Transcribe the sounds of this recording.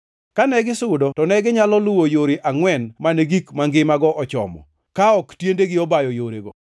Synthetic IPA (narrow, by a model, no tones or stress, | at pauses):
kanɛɡɪsʊdɔtɔnɛɡɪɲalɔlʊwojoɾeʔaŋwɛnmaneɡikmaŋɡɪmaɡɔʔɔt͡ʃɔ̰mɔ̰ | kaɔktjendeɡɪɔbajɔjoɾḛɡɔ